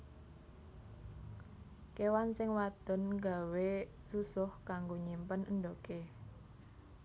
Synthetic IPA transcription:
kewansɪŋwad̪̥ɔ̤nɡa̤we | susʊhkaŋɡoɲimpənʔənɖoke

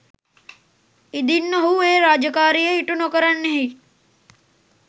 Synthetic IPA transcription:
id̪inːəɦueːɾaːd͡ʒəkaːɾijeiʈunokəɾanːeɦi

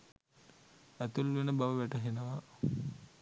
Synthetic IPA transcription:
æt̪ulʋenəbaʋəʋæʈəɦenəʋa

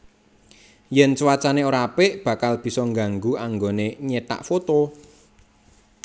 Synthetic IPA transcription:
jɛnt͡ʃwat͡ʃaneoɾapɪʔb̥ä̤kalb̥i̤sɔŋɡa̤ŋɡuaŋɡoneɲet̪a̰ʔfot̪o

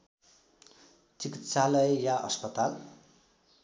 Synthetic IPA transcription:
t͡sikit̪salʌjjaʔʌ̰spʌt̪al

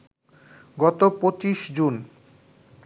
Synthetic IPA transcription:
ɡɔt̪opot͡ɕiʃd͡ʑun

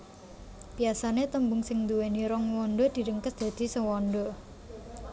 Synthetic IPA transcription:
piasanet̪əmbʊŋsɪŋd̪uweniɾɔŋwɔnɖɔd̪̥i̤ɾəŋkəsd̪̥ä̤d̪̥i̤səwɔnɖɔ

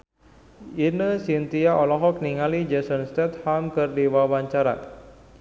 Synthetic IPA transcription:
inəsint̪iaʔɔlɔɦɔk̚niŋalid͡ʒɛsɔnst̪ɛt̪̚hamkərdiwawaɲt͡ʃaɾa̰

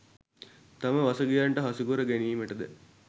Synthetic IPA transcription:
t̪aməʋasəɡijaɳʈəɦasukuɾəɡæniːməʈəd̪ə̰

